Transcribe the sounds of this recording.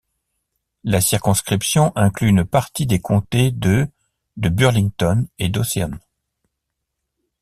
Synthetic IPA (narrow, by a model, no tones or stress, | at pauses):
lasiʁkɔ̃skχipsjɔ̃ʔɛ̃klyːnpaʁt̪id̪ekʰɔ̃t̪ed̪ə | d̪əbyʁlĩŋt̪ɔned̪oseɔn